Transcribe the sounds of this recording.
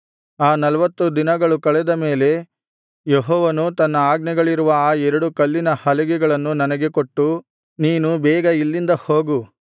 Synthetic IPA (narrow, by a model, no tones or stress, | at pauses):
aːnɐlɐʋɐt̪ːud̪inɐɡɐɭukɐɭɛd̪ɐme̞ːle̞ | jeɦɔːʋɐnut̪ɐnːɐaːɡnɛɡɐɭiɾuʋɐaːɛɾɐɽukɐlːinɐhɐlɐɡɛɡɐɭɐnːunɐnɐɡe̞koʈːu | niːnubɛːɡɐilːind̪ɐhoːɡu